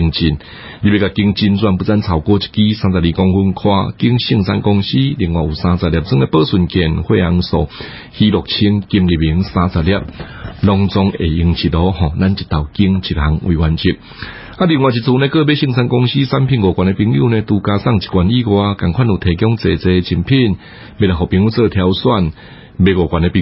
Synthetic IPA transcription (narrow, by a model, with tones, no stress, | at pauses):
ŋt͡ɕi˧˩n | li˧˩be˧˩ka˨˩ki˧ŋt͡ɕi˧nt͡swa˧npu˧˦t͡sa˦nt͡sʰa˨˩wkɔ˧˦t͡ɕi̥˨˦t̚ki˦sã˧t͡sa˨˩li˧kɔ˧ŋhu˧nkʰwa̰˧ki˧˦ŋɕi˧˨ŋsa̰˧nkɔ˧ŋɕi˦li˧˩ŋwa˨˩u˨sã˧t͡sa˨˩lja˨p̚t͡sʰɨ˦e˧pəː˧˦su˨˩nkjɛ˨˩nhwe˥˧a˧ŋ˧sɔ˨˩ | hi˧˦lɔ˨˩k̚t͡ɕʰi˧˦ŋki˧mli˨˩bi˨˧˦ŋsã˧t͡sa˨˩lja˧p̚lɔ˧ŋt͡sɔ˧ŋe˨˩i˧ŋt͡ɕʰi˨˩t̚ɔ˧˦hɔ̃˨˩la˦nt͡ɕi˨t̪a˨˩wki˧˦ŋt͡ɕʰi˨˩t̚ha˧ŋwiː˨wa˨˧nt͡ɕʰi˧˩t̚ | a˧li˧˨ŋwa˨t͡ɕi˨t̚t͡sʰu˧˦nẽ˧kə˥˧˨be˦ɕi˧˥˧ŋsa˧nkɔ˧ŋɕi˦sa˦mpʰi˧˨nɡɔ˨˩kwa˨ne˧pi˧ŋjṵ˧˨nẽ˧t̪u˧ka˧sa˥˧˨ŋt͡ɕi̥˨kwa˨ni˦˨ɡwa˧ka˨˩ŋkʰwa˥˨nu˨˩t̪ʰeː˨˩kjɔ˦ŋt͡se˨˩t͡se˧t͡ɕʰi˧mpʰi˥˧˨n | be˧a˨˩hɔ˨pi˧ŋu˦˧t͡sə˧t̪ʰja˧wswa˥˧n | be˧ɡɔ˨˩kʷwa˨ne˧pi˧